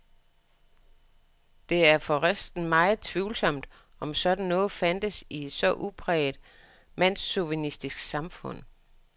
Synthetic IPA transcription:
d̥e̝æɐfɒ̽ʁasd̥n̩mɑ̈ɪð̩ˠt͡sʰʋiʊlsɒ̽m̰d̥ | ɒ̽msɒ̽d̥n̩nɔ̽ːð̩ˠfæn̰d̥əsie̝d̥sɒ̽ʔupʰʁɛːd̥ | mæn̰sːuʋinisd̥isɡ̥sɑ̈mfɔ̽n̰

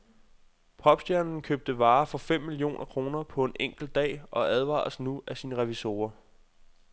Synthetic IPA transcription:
pʰɒ̽b̥sd̥jæɐnn̩kʰøːb̥̚d̥əʋɑ̈ːfɒ̽fem̰ːilio̝̰ːnʔɐkʰʁo̝ːnɐpʰɒ̽e̝nʔeŋ̰ɡ̥l̩d̚d̥ɛ̰ːʔɒ̽ʔæð̞ˠʋɑ̰̈snuæsiːnəʁɛʋiso̝̰ːɐ

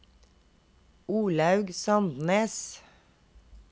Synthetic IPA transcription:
uːlɑʉɡsɑnd̪neːs

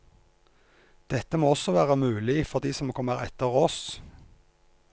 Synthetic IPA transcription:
d̪̥ɛt̪əmoːɔsɔʋæːʁəmʉːlɪfɔʁd̪iːsɔmoːkʰɔmːəʁɛ̰t̪əʁoːs

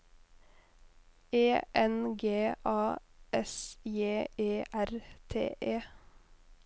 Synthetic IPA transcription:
eːʔɛnɡeːʔɑːʔɛsjeːeːʔæɾt̪ʰḛːʔeː

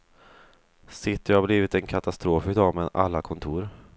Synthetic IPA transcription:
sɪt̪ːəjɑabliːvɪt̪ɛnkʰat̪ast̪ɾoːfɪd̪ɑːmɛd̪a̰lːakʰɔnt̪ʰuːɾ

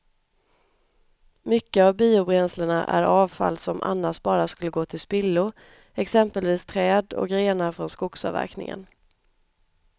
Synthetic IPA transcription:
mʏkːəavbiːʊbɾɛnsləɳaʔæ̰ɾɑːvfa̰lːsɔmʔa̰nːaʂbɑːɾaskɵlːəɡoːt̪ʰɪlspɪlːʊ | ɛksɛmpəlviːst̪ʰɾɛːd̪ɔ̰k̚ɡɾeːnaɾfɾɔnskʊksɑ̰væ̰ɾknɪ̰ŋə̰n

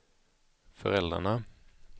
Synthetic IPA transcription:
fœɾɛld̪ɾa̰ɳa

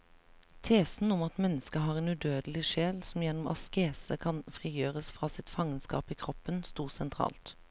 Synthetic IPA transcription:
t̪ʰeːsn̩ʊmɑt̪mɛnːəskəɦɑːʁeːnʉːd̪øːd̪əlɪʃeːlsɔmjɛnːʊmɑ̰skeːsəkʰɑnfʁiːjøːʁəsfʁɑːsɪt̪fɑŋənskɑ̰ːpiːkʰʁɔpːənst̪uːʁsɛnt̪ʰʁɑ̰ːlt̪

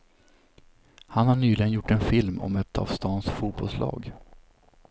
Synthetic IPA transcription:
hanhaɳyːlɪɡənjʊʈːɛnfɪlmɔ̰mɛt̪ʰɑ̰vst̪ɑːnsfuːt̪bɔlslɑ̰ːɡ

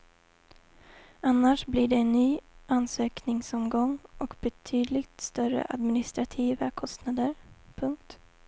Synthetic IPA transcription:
anːaʂblɪɖɛːnːyːʔansøːknɪŋsɔmɡɔŋːʔɔkbɛt̪ʰyːd̪lɪɡt̪st̪œɾə̰ʔa̰d̪mɪnɪst̪ɾat̪ʰiːvakʰɔst̪nad̪əɾpʰɵŋk̚t̪

